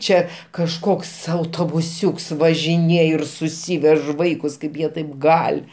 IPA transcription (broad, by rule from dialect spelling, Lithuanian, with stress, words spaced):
ˈt͡ʃʲɛ kɐʃˈkoːks ɐʊtoːbʊˈsʲuːks ʋɐʒʲɪˈnʲeːj ɪr sʊˈsʲiːʋʲɛʃ ˈʋɐɪkʊs ˈkɐɪp jiɛ ˈtɐɪp ˈɡɐlʲ